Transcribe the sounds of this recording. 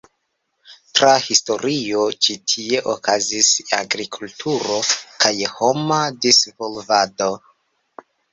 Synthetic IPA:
tɾahisto̞ɾio̞t͡ʃitʰie̞ʔokʰazisa̰ɡɾikʰultʰuɾo̞kʰajho̞madisvolvado̞

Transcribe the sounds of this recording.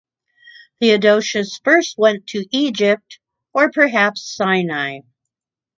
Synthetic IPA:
ðiɨdoʊʃɨsfɜ˞st̚wɛ̃ntʰɨʔid͡ʒɪp̚t | ə˞pʰə˞ɦæpsãɪnaɪ

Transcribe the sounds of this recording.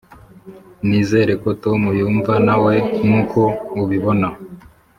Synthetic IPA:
niːze̞ːɾe̞koto̞mujuːɱvanawe̞ŋuːkʰo̞uβiβo̞na

